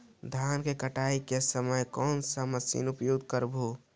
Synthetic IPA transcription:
d̪ʱjaːnkekəʈaːikesəməjkɔːnsəməsḭːnʊpjoɡd̪̚kəɾbʱo

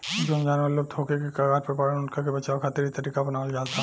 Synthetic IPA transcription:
d͡ʒond͡ʒanəlob̚t̪ʰokekekaɡaːɾ̚pɾɐpaːɾənʊnkakebɐt͡ʃaokʰaːt̪ɪɾit̪ɐɾiːkabɐnaːold͡ʒaːlt̪ʰa

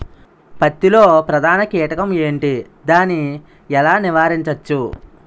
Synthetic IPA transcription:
pɐt̪ːilo̞ːpɾɐd̪ʱaːnɐkɛːʈɐkɐme̞ːɳʈi | d̪aːni | ɛlaːniʋaːɾiɲt͡ʃɐt͡ʃːu

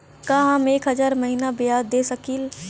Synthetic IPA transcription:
kaɦameːkɦəd͡ʒaːɾməɦinabɪjaːd̪esəkil

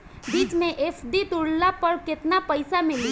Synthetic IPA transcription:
biːt͡ʃmẽʔeːfʰd̪it̪ʊɽlapəɾkɪt̪napəɪsamɪli

